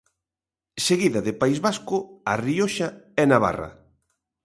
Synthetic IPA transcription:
seɣiðɐðɪpaizβaskʊarioʃaɛnaβa̰ra̰

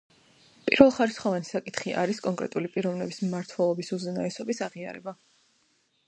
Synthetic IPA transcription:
pʼiɾvɛlˠχaɾisχɔvanisakʼit̪ʰχiʔa̰ɾiskʼɔŋkʼɾɛ̰t̪ʼulipʼiɾɔvnɛbismːaɾt̪ʰwɛlˠɔbisuzɛnaɛsɔbisaʁia̰ɾɛ̰ba

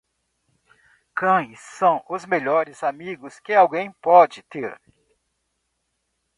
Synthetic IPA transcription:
kɐ̃j̃sːɐ̃w̃ʊzmeʎɔɾɪzamiɡʊskɪawɡẽj̃pɔd͡ʒɪt̪eɾ

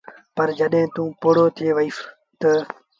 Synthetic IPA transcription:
pəɾd͡ʒəɗɦẽːt̪ũːpoːɽoːt̪ʰɪeːʋəiːf | t̪ə

